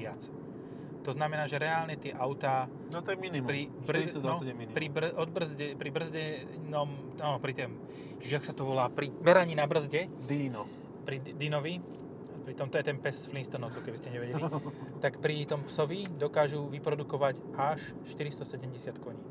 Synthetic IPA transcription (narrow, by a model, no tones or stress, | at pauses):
ɪat͡s | t̪ɔznamɛnaːʒɛɾɛaːlɲɛt̪ɪɛʔaʊt̪aː | nɔt̪ɔjɛminipɾi | bɾd̪aɔɛmiipɾibrɔd̪̚br̩zɟɛpɾibr̩zɟɛ | nɔm | aːnɔpɾit̪ɛm | ʒɪaxsat̪ɔʋɔlaːpɾimɛɾaɲiːnabr̩zɟɛd̪inɔ | pɾid̪inɔʋi | pɾit̪ɔmt̪ɔjɛt̪ɛnpɛsflinst̪ɔnɔʊt͡sɔʊkɛbiscɛɲɛʋɛɟɛlit̪akpɾit̪ɔmpsɔʋid̪ɔkaːʒuʋipɾɔd̪ukɔʋacaʃ | ʃt̪iɾist̪ɔsɛɟɛmɟɛsɪat̪kɔɲiːn